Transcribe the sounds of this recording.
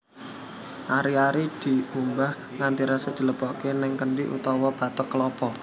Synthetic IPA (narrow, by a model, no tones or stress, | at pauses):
ʔaɾiaɾid̪̥i̤umbah | ŋant̪iɾasədd͡ʒ̥ə̤ləpɔkenɪŋkəɳɖiʔṵt̪ɔwɔb̥a̤t̪ɔkːəlɔpɔ